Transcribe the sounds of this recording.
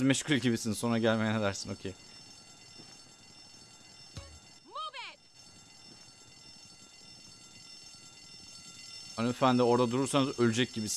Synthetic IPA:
zmɛʃkʰulʲɟibisinso̞nɾaɟælʲmejned̪æɾsino̞cʰej | mube | anfænd̪io̞ɾd̪ad̪uɾuɾsanɯzølʲyd͡ʒɛc̚ɟibis

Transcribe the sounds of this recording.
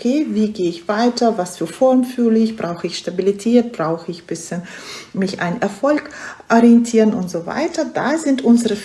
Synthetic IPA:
kʰeːviːɡeːɪçv̥aɪtɐvasfyːɐfɔɐmfyːɐlɪçb̥ʁaʊxəɪçʃtabilitʰɛːt̚b̥ʁaʊxəɪçb̥ɪsçənmɪça̰ɪnʔɛɐfɔlkʔɔʁiɛntʰiːʁənʔʊntz̥oːva̰ɪtɐdaːzɪntʔʊnzəʁə

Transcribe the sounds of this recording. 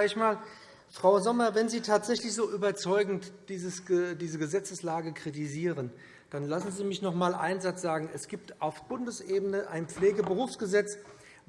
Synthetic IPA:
ɪçmaːl | fʁ̥aʊzɔmɐvɛnziːtʰaːtz̥ɛçlɪçz̥oːʔyːbɐt͡sɔʏɡŋ̩td̥iːzəsdiːzəɡəzɛt͡səslaːɡəkʁ̥itiziːʁən | d̥anlasn̩ziːmɪçnɔχmaːlʔa̰ɪnzat͡sz̥aːɡŋ̩ɛsɡ̥iːp̚tʔaʊfb̥ʊndəsʔeːbənəʔaɪnp͡fleːɡəbəʁuːfsɡ̥əzɛt͡s

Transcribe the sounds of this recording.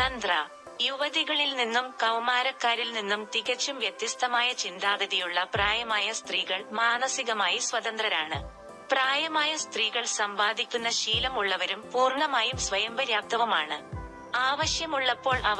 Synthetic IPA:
ɐnd̪rɐ | juʋɐðiɣɐɭilninːumkɐwmaːɾɐkːaːɾilninːumt̪iɣɐt͡ɕːumʋjet̪ːjɐst̪ɐmaːjɐt͡ɕind̪aːʋɐðijuɭːɐpraːjɐmaːjɐst̪riːɣɐɭmaːnɐsiɣɐmaːjisʋɐt̪ɐnd̪rɐɾaːɳɨ̰ | praːjɐmaːjɐst̪riːɣɐɭsɐmbaːd̪ʱikʲːunːɐɕiːlɐmuɭːɐʋɐɾumpuːrɳɐmaːjumsʋɐjɐmbɐɾjaːp̚t̪ɐʋɐmaːɳɨ | aːʋɐɕjɐmuɭːɐpːo̞ːɭʔɐ

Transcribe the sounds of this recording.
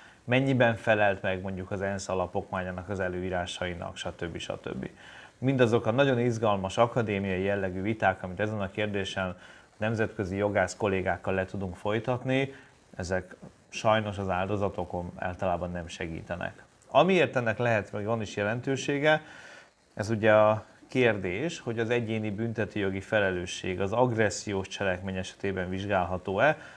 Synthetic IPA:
mɛɲːibɛɱfɛlɛlt̪mɛɡmo̞ɲɟukɒzɛnsɒlɒpo̞kmaːɲaːnɒkɒzɛløːiːɾaːʃɒinɒ̰kʃɒt̪øbːiʃɒ̰t̪ø̰bːḭ | mind̪ɒzo̞kɒnɒɟo̞nizɡɒlmɒʃɒkɒd̪eːmijɒjijɛlːɛɡyːvit̪aːkɒmit̪ɛzɛnɒkeːrd̪eːʃɛn | nɛmzɛt̪kø̞zijo̞ɡaːʃko̞leːɡaːkːɒlːɛt̪ud̪uŋkfo̞jt̪ɒt̪ni | ɛzɛk | ʃɒjno̞ʃɒzaːld̪o̞zɒt̪o̞ko̞na̰ːlt̪ɒlaːbɒnːɛmʃɛɡḭːt̪ɛnɛ̰k | ɒmieːrt̪ɛnːɛklɛɦɛt̪mɛɡvɒniʃjɛlɛnt̪øːʃeːɡɛ | ɛzuɟɛɒkeːrd̪eːʃho̞ɟɒzɛɟeːnibynt̪ɛt̪øːjo̞ɡifɛlɛløːʃːeːɡɒzɒɡrɛsːijoːʃt͡ʃɛlɛkmeːɲɛʃɛ̥t̪eːbɛɱviʒɡaːlɦɒt̪oːɛ

